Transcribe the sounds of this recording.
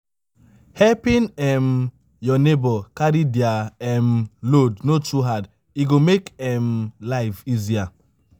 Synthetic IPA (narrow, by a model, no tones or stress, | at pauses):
hɛpĩnɛm | jɔnebɔkaɾidiaɛmlodnotuɦad | iɡomekɛmlaɪfizia